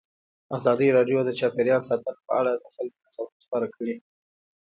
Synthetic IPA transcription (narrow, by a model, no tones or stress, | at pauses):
azɑd̪iɾɑɖjod̪ət͡ʃɑpeɾjɑnsɑt̪ənpəaɽad̪əxalkt̪asawʊspɑɾakʰəɽi